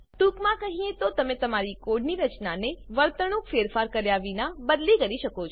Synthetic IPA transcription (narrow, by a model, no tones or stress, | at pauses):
ʈ̪ukmãkəɦiet̪ot̪əmẽt̪əmaɾikoɖniɾət͡ʃnaneʋəɭt̪əɽ̃ũkfeɾfaɾkəɾjaʋinabəd̪likəɾiʃəkot͡ʃʰ